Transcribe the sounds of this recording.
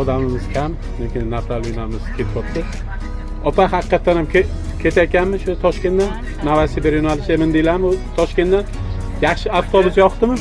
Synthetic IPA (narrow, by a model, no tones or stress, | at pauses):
ɒd̪amɪmɪz̥kʲʰam | lekʲɪnːaft̪ʰalinamɪzkʲʰet̪ʰpɒt̪t̪ʲɪ | ɒpaɦaqɨqːɑt̪ːanamkʲʰe | kʲʰe̞t̪ʰakʲanmɪʃʊt̪ʰɒʃkʲe̞nd̪an | navasibeɾjʊnalɪʃemɪnd̪elamt̪ʰɒʃkʲe̞nd̪an | jaχʃɪaft̪ʰobʊzjɒχt̪ɪmɪ